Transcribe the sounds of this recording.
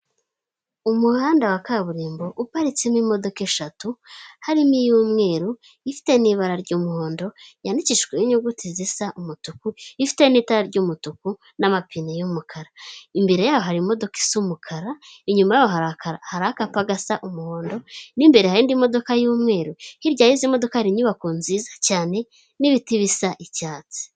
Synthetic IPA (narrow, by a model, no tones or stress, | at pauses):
umuhaːndawakaβuɾiːmbo̞ʔupaɾit͡simimo̞do̞keʃatuhaɾimijuːmŋe̞ːɾu | ifi̥te̞niβaɾaɾɟuːmuho̞ːndo̞jandiciʃɡwejiɲuɡutʰizisaʔumutukuifi̥te̞niːtaɾaɾɟuːmutuku | namapinejumukʰaɾaimbe̞ɾe̞jaːjo̞ɦaɾimo̞do̞ki̥sumukʰaɾaiɲumajaːjoɦaɾakaɾahaɾahakapaɡasaʔumuho̞ːndo̞nimbe̞ɾe̞haɾiːndimo̞do̞kajuːmŋe̞ːɾuhiɾɟaːjizimo̞do̞kahaɾiɲuβakunziːzḁcaːne̞ | niβitiβisaʔicaːt͡si̥